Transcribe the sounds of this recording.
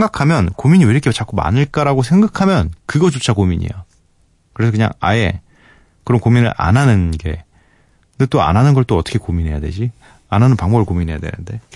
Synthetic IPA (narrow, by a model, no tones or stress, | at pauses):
sʰeŋɡakʰamjʌnkomiɲiweiɾʌkʰet͡ɕak͈ʰuma̰nɯɭk͈aɾaɡos̬ʰe̞ŋɡakʰamjʌnkɯɡʌt͡ɕot͡ɕʰakomiɲḭja | kɯɾe̞sʰʌkɯɲa̰ŋa̰e̞̰ | kɯɾʌnkominɯ̰ɭʔa̰nɦanɯnɡe̞̰ | net͈oa̰nɦanɯnɡʌɭt͈oʌt͈ʌ̥kʰekominɦe̞ja̰dwe̞̰d͡ʑi | anɦanɯnpaŋmʌbɯɭkominɦe̞ja̰dwḛnɯ̰nde̞